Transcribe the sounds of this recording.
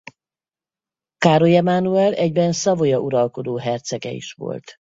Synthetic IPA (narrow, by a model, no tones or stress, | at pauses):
kaːɾojɛmanuɛlɛɟbɛnsɒvojɒʔuɾɒlko̞d̪oːɦɛrt̪sɛɡɛ̰ḭʃʋo̞̰lt̪